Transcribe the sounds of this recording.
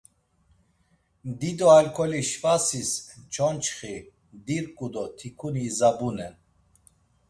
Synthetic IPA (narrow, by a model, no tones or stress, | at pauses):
md̪id̪ɔalkʰɔliʃfasist͡ʃʰɔnt͡ʃχi | md̪iɾkʼud̪ɔt̪ʰikʰunizabunɛn